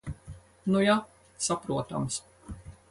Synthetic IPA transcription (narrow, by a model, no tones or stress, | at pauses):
nuja | sapɾuɔt̪a̰ms